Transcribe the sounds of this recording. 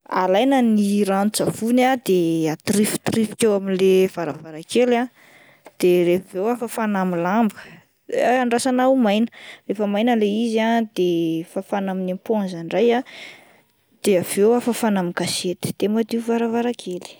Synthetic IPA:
a̰lajnəniɾanut͡savunad̪̥eat̪ɾifi̥t̪rifi̥kʲewaminlev̥aɾavaɾakela | d̪̥eɾevewafəfanamilambə̥ | aɳɖ͡ʐasanawumajnərefəmajnəleiziad̪efafanaminampanzanraja | d̪̥eavewafafanamikaset̪i̥d̪̥emad̪iuvaɾavaɾakʰeli̥

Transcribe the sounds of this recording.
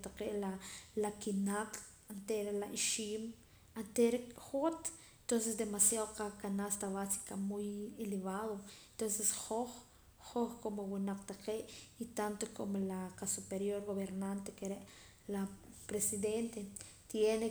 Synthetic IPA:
t̪aqeʔlalakinaqʼ | ant̪eɾelaʔiʃiːm | ant̪eɾexot̪ | ent̪ons̬esd̪emasjaðoqakanast̪aβasi̥kamujeleβaðoent̪onsesχoχ | χoχkomowenaqt̪aqeʔit̪ant̪okʰomolaqasupeɾjoɾɡoβeɾnant̪ekeɾeʔ | lapɾesiðent̪e | t̪jene

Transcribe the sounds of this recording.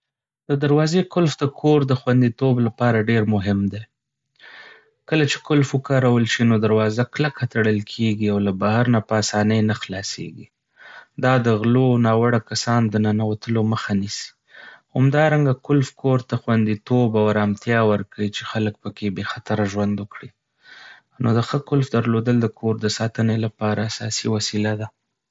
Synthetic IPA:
d̪̥əd̪aɾwɑzekʊlfd̪əkʰoɾd̪əxwand̪it̪oblapɑɾaɖeɾmʊɦɪmd̪e | kəlat͡ʃe̥kʊlfəkɑɾawəlʃinod̪aɾwɑzaklakat̪aɽəlkʰeɡiawlabahaɾnapəasɑnəjnaxlɑsḛɡi | d̪ɑd̪əɣlonɑwaɽakasɑnd̪ənanawat̪əloməxanisi̥ | hamd̪ɑɾaŋɡakʊlfkʰoɾt̪axwand̪it̪obawɾamt̪jɑwəɾkawit͡ʃexalək̚pəkebexat̪aɾaʒwand̪wʊkɽi | nod̪əxəkʊlfd̪aɾlod̪əld̪əkʰoɾd̪əsɑt̪ənelapɑɾaːsɑsiwasilad̪a

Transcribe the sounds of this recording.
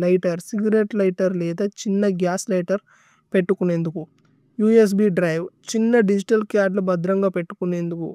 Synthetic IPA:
lɐjʈɐɾsiɡɾeʈlɐjʈɐɾlɛːd̪ɐt͡ʃinːɐɡjaːslɐjʈɐɾ | pe̞ʈːukune̞ːnd̪uku | juːes̬biːɖɾɐjʋt͡ʃinːɐɖid͡ʒiʈɐlkjaːɖlubɐd̪ɾɐŋɡaːpe̞ʈːu̥kune̞ːnd̪ukṵ

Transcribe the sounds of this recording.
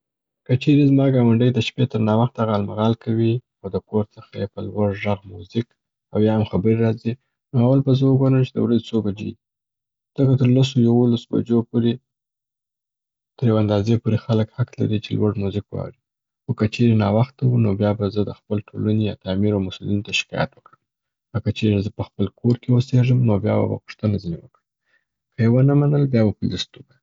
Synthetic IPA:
kət͡ʃeɾezmɑɡɑwaɳɖəjd̪əʃpet̪əɾnɑwaxt̪̚aɣaːlmaɣɑlkʰawi | awd̪əkoɾt͡səxajepəlwaʐʒaɣmuzɪk | awjɑhamxabəɾeɾɑzi | noawalbazəwəbanət͡ʃed̪ə̰wɾazet͡sobad͡ʒḛ | z̥əkat̪əɾlas̬ojawolasba̰d͡ʒopoɾe | t̪əɾjawand̪ɑzepoɾexaləkhak̪la̰ɾit͡ʃḛlwaɽmozɪkwɑ̰wɽi | xokət͡ʃeɾenɑwaxt̪awunobjɑbazəd̪əxpəlʈʰolanejɑ̰t̪ɑmiɾawmasulinot̪aʃɪ̥kɑ̰ja̰t̪wəkɽəm | kakat͡ʃeɾezəpəxpəlkʰoɾkewəseʐəmnobjɑ̰ba̰ba̰pʊ̥ʂt̪ənazinewəkɽə | kəjewənəmanəlbjɑbapəlast̪uba

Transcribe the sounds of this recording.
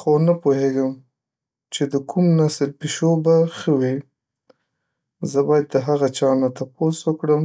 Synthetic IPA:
xonapoɦeɡəm | t͡ʃed̪əkʰumnasəlpeʃobaxəwi | zəbɑjad̪̚ːəɦaɣat͡ʃɑnat̪aposwəkɽəm

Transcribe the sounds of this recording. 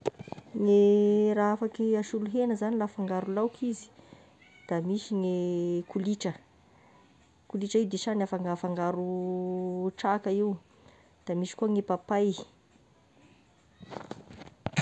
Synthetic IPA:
ŋeɾaafakiaʃuluɦenəzanilafaŋɡaɾulawkʰizi̥ | d̪̥amiʃiŋekuliʈ͡ʂə | kuliʈ͡ʂəiwd̪eʃanafaŋɡafaŋɡaɾu | ʈ͡ʂakəiw | d̪̥amiʃi̥kuəŋepapaj

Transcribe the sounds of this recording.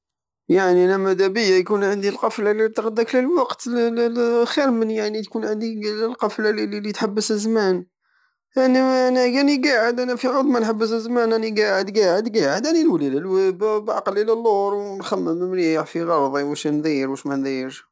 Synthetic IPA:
jaʕninæmæd̪æbəjːajkunʕənd̪ilqɑflalit̪ɾˤɑd̪ːakləlwɑqt̪ | xiɾmənjaʕnit̪kunʕənd̪ilqɑflalililit̪ħabːəsəzmæn | ʔæninækæniɡaʕəd̪ʔænæfiʕɑd̪ˤmænħabːəs̬əzmænʔæniɡaʕəd̪ɡaʕəd̪ɡaʕəd̪ʔænilwliləlwəbbʔɑ̰qɑlʔəlælːoɾˤwnxæmːəməmɾiʕfiɣɑɾˤðˤiwəʃnd̪ijɾwəʃmænd̪iəɾ

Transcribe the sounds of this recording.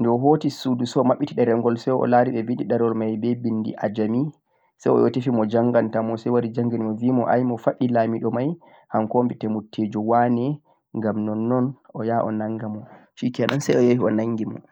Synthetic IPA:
ndɛɔɦotisudusɔmaɓːitiɗɛɾɛŋɡɔlsɛjɔ̰laɾiɓɛbindiɗaɾɔlmajbɛbindḭʔad͡ʒami | sajɔ̰jɔ̰tefimɔd͡ʒaŋɡantamɔsɛjwaɾid͡ʒaŋɡinimɔviːmɔʔa̰jmɔfaɗːilamiɗɔmaj | hankombitɛmutʰːed͡ʒɔwanɛ | ŋɡamnɔnːɔnʔɔjaʔɔ̰naŋɡamɔʃikɛanansɛjɔjohiɔnaŋɡimɔ̰

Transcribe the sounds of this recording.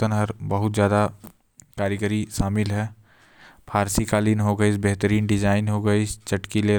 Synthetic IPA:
ənɦəɾbəɦʊt̪d͡ʒjaːd̪a | kaːɾjəɡəɾiʃaːmɪlɦɛː | pʰaːɾsikaːlinɦoɡəit͡ʃbɛɦt̪əɾiːnɖɪd͡ʒaːɪnɦoɡəit͡ʃəʈkile

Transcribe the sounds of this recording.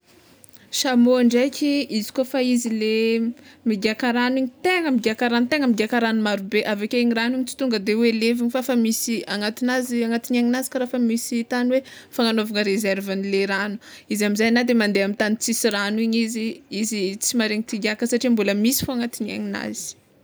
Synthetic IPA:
ʃamoɳɖ͡ʐajkʰʲiizi̥kofaizile | miɡiakaɾaniɲit̪eŋəmiɡiakaɾanut̪eŋəmiɡʲiakaɾanumaɾubeʔavakeiɲiraniɲit͡si̥t̪uŋɡəd̪eweleviɲifafamisiaŋat̪inaziaŋat̪inaŋinazi̥kaɾafəmisit̪anwefaŋanovaŋəɾezɛɾvanileɾanu̥izamizajnad̪emand̪eamit̪anit͡sisiɾaniɲiziizit͡simaɾeɲit̪iɡiakəsaʈ͡ʂiambuləmisi̥foaŋat̪ina̰ŋina̰z̥i̥

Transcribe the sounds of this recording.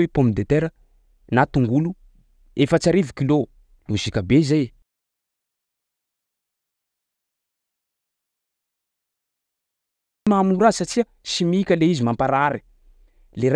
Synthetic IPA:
epomid̪et̪eɾə | nat̪uŋɡulu | efət͡ʃaɾivukilo | lusikʲabezej | maːmuɾasat͡ʃiə | simikʲəleizimampaɾaɾi̥ | leɾ

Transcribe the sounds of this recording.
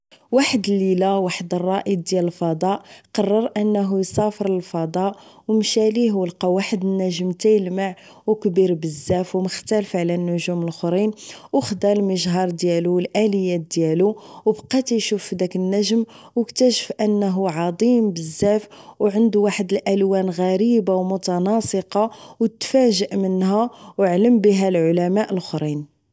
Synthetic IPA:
waħəd̪əlːilawaħəd̪ərˤːɑʔəd̪jæləlfɑd̪ˤɑʔqɑrˤːɑɾˤʔənːɦujsæfəɾˤəlfɑd̪ˤɑʔwmʃæliɦuəlqɑwaħəd̪ənːæʒmt̪æjəlmaʕ | wkbiɾbəzːæfwməxt̪ælfʕlænːʊʒuməlxɾinwxd̪ɑlməʒɦɑɾˤd̪jæluwəlʔæləjːæd̪jæluwbqɑt̪ijʃufd̪ækənːæʒm | wəkt̪æʃə̥fʔənːɦuʕɑd̪ˤimbəzːæfwʕənd̪uwaħəd̪əlʔælwænɣæɾibawmʊt̪ɑnɑsˤəqɑwt̪fæʒəʔmənɦæwəʕləmbiɦælʕʊlæmæʔəlxɾin

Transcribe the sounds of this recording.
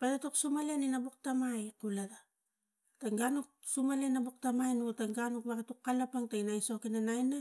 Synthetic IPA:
patatoksumaleninabuk̚tamajkulaɾa | taŋɡanuk̚sumale̞nabuk̚tamajnutaŋɡanuk̚baɡatukːalapaŋtainajso̞kinanajna

